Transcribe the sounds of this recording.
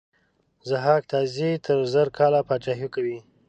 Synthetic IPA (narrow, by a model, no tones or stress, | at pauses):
zaɦɑk̚t̪ɑzit̪ʰəɾzəɾkʰɑlapɑt͡ʃaɦukawi